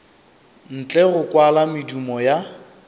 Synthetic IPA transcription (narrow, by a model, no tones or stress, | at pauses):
n̩t͡ɬʼɛɣʊkʼwalamɪdumɔja